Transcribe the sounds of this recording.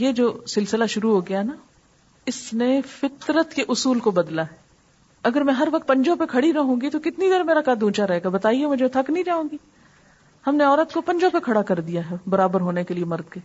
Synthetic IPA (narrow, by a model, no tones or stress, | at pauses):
jeːd͡ʒoːsɪlsɪlaʃʊɾuɦoːɡɐjaɦɛna | ɪsnefɪk̪ɾət̪keʔʊsuːlkobɐd̪laɦɛː | ɐɡəɾmɛ̃ɦɐɾʋɐk̚t̪̚pɐ̃ɲd͡ʒõpekʰɐɽinɐɦõːɡit̪okɪt̪nid̪eɾmeːɾakaːd̪ʱũːt͡ʃaɾɐɦeːɡabɐt̪aːiemʊ̃d͡ʒmɛ̃t̪ʰɐknɐĩd͡ʒaːũːɡiː | hɐmneɔːɾət̪kopɐ̃ɲd͡ʒõpekʰɐɽakɐɾd̪ijaɦɛːbɐɾaːbəɾɦoːnekeliemɐɾd̪keː